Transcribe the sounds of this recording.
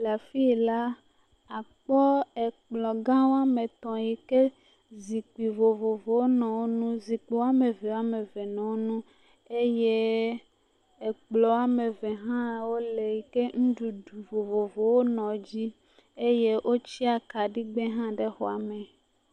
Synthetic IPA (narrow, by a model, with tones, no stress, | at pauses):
la˨fi˦˨la˦ | a˨k͡pɔ˦ɛ˨k͡plɔ˨ɡã˦wo˦a˦me˨t̪ɔ̃˨ji˨ke˦ | zi˨k͡pi˨vo˨vo˨vo˨wo˦nɔ̃˨wo˦nũ˦zi˨k͡pi˨wa˦me˨vɛ˨wa˦me˨ve˨nɔ̃˨wo˦nũ˦ | e˦je˦ | e˨k͡plɔ˨wa˦me˨ve˨ɦã˦wo˦le˨ji˨ke˦ŋ̩̃˦ɖu˨ɖu˨vo˨vo˨vo˨wo˦nɔ̃˨d͡ʑi˦ | e˦je˦ʔo˦t͡ɕi˦a˨ka˨ɖi˦ɡ͡bẽ˦ɦã˦ɖe˦xɔ˨a̰˨me˨